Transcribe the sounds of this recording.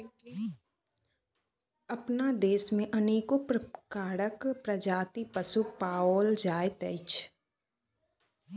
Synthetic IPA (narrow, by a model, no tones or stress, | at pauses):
ɐpnad̪eːsmẽʔəneːkopkaːɽəkpɾəd͡ʒaːt̪ipəsupaːoːld͡ʒaːjt̪əɪt͡ʃ